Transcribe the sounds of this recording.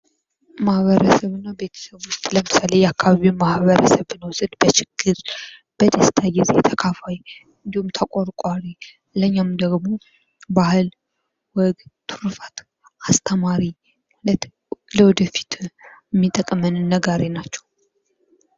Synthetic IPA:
mahβəɾəsəβɨnːabet̪ʰə̥səβwʊst̪ʼləmɨsalejɛakʰːaβaβimahβəɾəsəβnəwsɨd̪bət͡ʃɪɡ̥ːɨɾb̥əd̪əst̪ʰajɪzḛt̪ʰəkʰafaj | ɨnd̪ihumt̪ʰəkʼoɾkʼaɾi | ləɲːamd̪əɡmo̞ | bahɨl | wɔɡt̪ʰuɾufat̪ | ast̪ʰəmaɾi | ləwɔd̪əfi̥t̪ʰmːit̪ʼəkʼmənɨnːəɡaɾinat͡ʃːɛw

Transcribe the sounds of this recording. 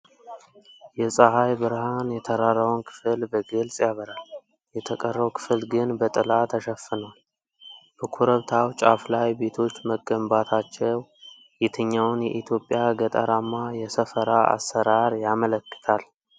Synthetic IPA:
jɛsʼəhajbɨɾhanjɛt̪ʰəɾaɾəwnkʰɨ̥fɨlbəɡɨlsʼjaβəɾal | jɛt̪ʰəkʼərːəwkʰɨ̥fɨlɡɨnbət̪ʼɨlat̪ʰəʃəfːɨnəwal | b̥əkʰuɾəβt̪ʰawt͡ʃʼaflajbe̞t̪ʰo̞t͡ʃːməɡəmbat̪ʰat͡ʃːɛw | jɪt̪ʰəɲːawnjɛ̰ʔit̪ʰjo̞pʼjaɡət̪ʼa̰ɾamːajɛsəfəɾaa̰sːəɾaɾjamələkːɨ̥t̪ʰal

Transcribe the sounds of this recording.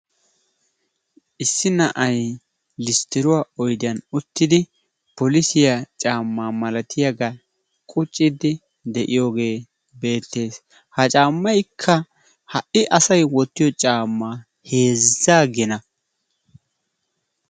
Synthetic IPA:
ʔɪsːɪnɐʔɐj | lɪst̪ɪɾʊwaːɔjd̪ɪɐnʊt̪ːɪd̪ɪ | pɔlɪsɪjat͡ʃʼaːmːaːmɐlɐt̪ʰɪjɐɡɐ | kʼʊt͡ʃʼːɪd̪ɪ | d̪ɛʔɪjo̞ːɡe̞ː | be̞ːt̪ːe̞ːs | hɐt͡ʃʼaːmːɐjkʰːɐ | hɐʔɪʔɐsɐjwɔt̪ːɪjɔt͡ʃʼaːmːaː | he̞ːzaːɡɛnɐ

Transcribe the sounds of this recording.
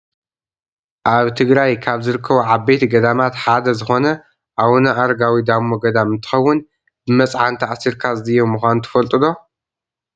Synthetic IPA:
ʔaβt̪ʰɨɡɾajkʰaβzɨɾɨkʰːɐβuʕabet̪ɡɐd̪amat̪ħad̪ɐzɨxo̞nɐ | ʔawnɐʔaɾɡawid̪amːoɡɐd̪amɨnt̪ʰɨ̥xɐwːʊn | bɨmɐt͡sʼʕant̪ʰɐʔsiɾkʰazɨjomɨxʷanut̪ʰɐ̥fɐlt̪ʼɨlo̞

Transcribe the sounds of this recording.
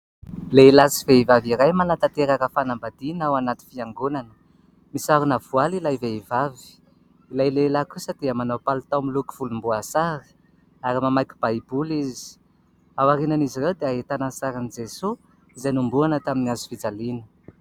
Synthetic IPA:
leilasiveivaviɾajmanat̪at̪eɾakəfanambad̪inawanat̪i̥fiaŋɡunanə̥ | misaɾunavualilajveivavi̥ | ilajlelakusəd̪̥eəmanawpalt̪awmiluki̥v̥ulumbuasaɾi̥ | aɾimamajki̥b̥ajibulizi̥ | awaɾinanizirewd̪eaɦet̪anansaɾanid͡zesu | izajnumbuanət̪aminiazu̥fid͡zalinə

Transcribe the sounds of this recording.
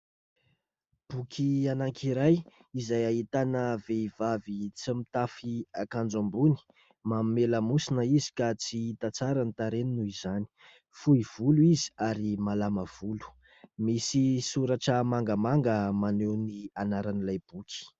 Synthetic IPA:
b̥ukʲʰianaŋkʰiɾajizajaɦit̪anəveivavit͡simit̪afiakand͡ʒambuni̥ | mammeləmusinəizi̥kat͡siit̪at͡saɾanit̪aɾeninuizani̥ | fuiv̥uluizi̥aɾimalaməv̥ulu̥ | misisuɾaʈ͡ʂəmaŋɡəmaŋɡəmanewnianaɾanilajb̥ukʰʲi̥

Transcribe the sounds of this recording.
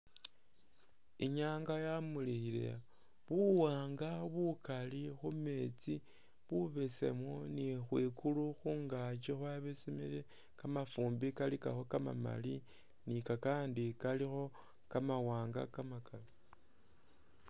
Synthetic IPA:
iɲaːŋɡajamulixile̞̰ | βuwaːŋɡaβukalixume̞t͡si | βuβe̞sḛmonixwiːkuluxuːŋɡat͡ʃexwaβesemḛle | kamafuːmbikalika̰xo̞kama̰ma̰li | nikakaːndikalixo̞ | kamawaːŋɡa̰kamakala

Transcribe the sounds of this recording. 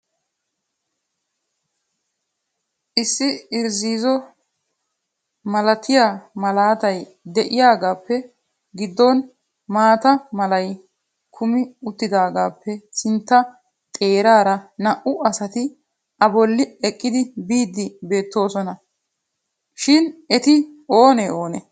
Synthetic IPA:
ʔɪsːɪɪɾziːzɔ | mɐlɐt̪ʰɪjaːmɐlaːt̪ɐj | d̪ɛʔɪjaːɡaːpːɛ | ɡɪd̪ːɔn | maːt̪ɐmɐlɐj | kʰʊmɪʊt̪ːɪd̪aːɡaːpːɛsɪnt̪ːɐ | t̪ʼe̞ːɾaːɾɐnɐʔʊɐsɐt̪ɪ | ʔɐbɔlːɪɛkʼːɪd̪ɪbiːd̪ːɪbe̞ːt̪ːo̞ːsɔnɐ | ʃɪnɛt̪ɪo̞ːnɛo̞ːnɛ

